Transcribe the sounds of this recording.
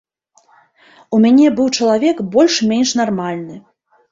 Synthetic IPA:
umʲanʲɛbɨwt͡ʂɐlˠavʲɛkbɔlʲʂmʲenʲʂnarmalʲnɨ

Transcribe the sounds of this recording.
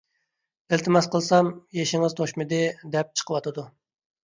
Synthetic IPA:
ɪlt̪ʰɪmɛsqəlˠsɑmjeʃɪŋɪzt̪ʰoʃmɨd̪ɪd̪ɛp̚t͡ʃʰə̥qʰəwɑt̪ɨd̪u

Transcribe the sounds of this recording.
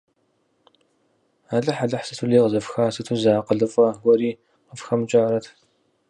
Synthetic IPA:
aːɮɐħaɮɐħsɨtʰuɮeːʁəzɐfxaːsɨtʰuzaːqəɮɨfʼɐɡʷɔɾiː | qəfxɐmɨt͡ʃʼaːɾɐtʰ

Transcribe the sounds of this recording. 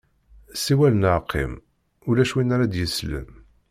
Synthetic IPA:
siwælənəʕqʰːḭm | ʊlæʃwinːaɾad̪jəslə̰n

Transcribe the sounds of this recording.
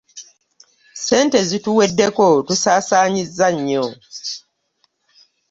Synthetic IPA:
se̞ːntezituwe̞dːe̞ko̞tusaːsaːɲizːaɲːo

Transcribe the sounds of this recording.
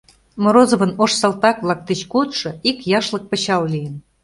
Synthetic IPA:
moɾozɤ̆βɤ̆noʃsɑlt̪ɑkβlˠɑk̚d̪et͡ɕkot̪ʃɤ̆ikjɑʃlɤ̆k̚pə̆ɕɑwlijə̆n

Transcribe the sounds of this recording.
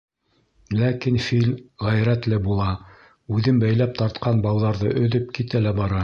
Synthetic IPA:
lækinfilʁæjɾæt̪lɘbulˠɑ | ʉðɘmbæjlæp̚t̪ɑɾt̪qɑnbɑwðɑɾðɤʔɵ̆ðɵp̚kit̪ælæbɑɾɑ

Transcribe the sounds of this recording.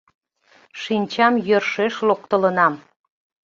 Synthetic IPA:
ʃinʲt͡ɕɑmjørʃeʃlok̚t̪ələnɑm

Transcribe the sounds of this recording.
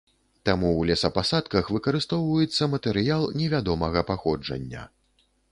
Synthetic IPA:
t̪amuwlʲɛsɐpasat̪kɐxvɨkɐɾɨst̪ɔwvɐjɛt̪sːɐmɐt̪ɛɾɨjalˠnʲɛvʲad̪ɔmɐɣɐpaxɔd͡ʐɐ̰nʲːɐ̰

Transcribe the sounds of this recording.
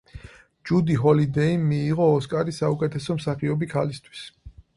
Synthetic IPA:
d͡ʒud̪iɦɔlid̪ɛimːiːʁɔːskʼaɾisaukʼɛt̪ʰɛsɔmsaχiɔbikʰalist̪ʰwi̥s

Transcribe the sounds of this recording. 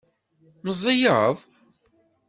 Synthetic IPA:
məzˤːijəðˤ

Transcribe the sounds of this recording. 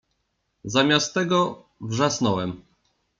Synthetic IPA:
zamʲast̪ːɛɡɔ | vʐasnɔwɛm

